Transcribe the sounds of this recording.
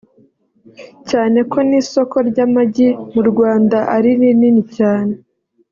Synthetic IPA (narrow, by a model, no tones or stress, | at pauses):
caːne̞kʰo̞niso̞ko̞ɾɟamaɟimuɾɡwaːndaʔaɾinininicaːne̞